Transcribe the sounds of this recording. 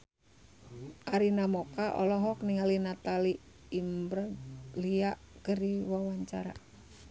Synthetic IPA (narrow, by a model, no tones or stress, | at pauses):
ʔaɾinamɔkaʔɔ̰lɔɦɔk̚niŋalinat̪aliː | mbɾaliaʔkəriwawaɲt͡ʃaɾa̰